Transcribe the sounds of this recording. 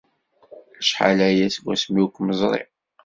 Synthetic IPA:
ʃħa̰læjæsɡʷæ̰smjukʷːməzˤɾˤḭ

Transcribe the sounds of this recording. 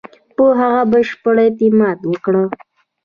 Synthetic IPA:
pəɦaɣabəʃpəɽet̪ɪmɑd̪wəkɽə

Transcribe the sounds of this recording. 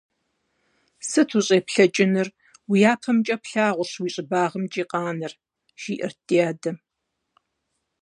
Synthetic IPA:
sɨtʰuɕʼeːpɬɐt͡ʃʼɪnɨr | wijaːpʰɐmt͡ʃʼɐpɬaːʁʷʊɬwiːɕʼɪbaːʁəmt͡ʃʼiːqʼɑːnɨr | ʒ̥iːʔɪ̰rtiaːdɐ

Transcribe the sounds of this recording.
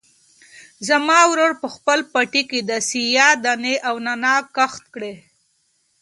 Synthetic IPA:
zamɑwɾoɾpəxpəlpaʈiked̪əsijɑd̪aneʔawnanɑkaxt̪̚kɽe

